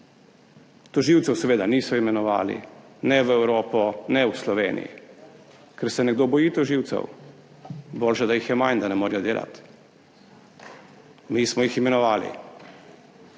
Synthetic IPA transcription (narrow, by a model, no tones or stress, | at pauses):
t̪ɔʒiwt̪sɛwsɛʋeːd̪aniːsɔimɛnɔʋa̰ːlḭ | nɛʋɛwɾoːpɔnɛwslɔʋeːnḭjḭ | kɛɾsɛnɛɡd̪obɔjit̪ɔʒiːwt̪sɛ̰w | boːlʃɛd̪ajixjɛmajnd̪anɛmoːɾijɔd̪eːla̰t̪ | mismɔjiximɛnɔʋaːlḭ